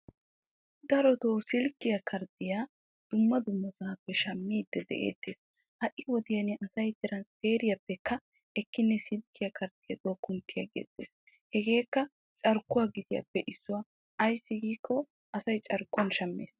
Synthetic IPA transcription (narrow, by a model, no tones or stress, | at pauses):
d̪ɐɾɔt̪oːsɪlkːɪjɐkʰɐɾd̪ɪjaː | d̪̥ʊmːɐd̪ʊmːɐsɐɐpːɛʃɐmːiːd̪ːɛd̪ɛ̰ʔḛːt̪ːeːs | hɐʔɪwɔd̪ɪjɐnɪʔɐsɐjt̪ɪɾɐnsfeːɾɪjɐpːɛkːɐ | ʔɛkːɪnːɛsɪlkːɪjɐkɐɾd̪̥ɪjɐd̪oːkːʊnt̪ːɪjɐɡḛːt̪ːḛːs | hɛɡe̞ːkːɐ | t͡ʃʼɐɾkːʊwaːɡɪd̪ɪjɐ̰pːɛʔɪsːʊwaː | ɐjsːɪɡiːkːɔ | ʔɐsɐjt͡ʃʼɐɾkːʊɐnʃɐmːḛːs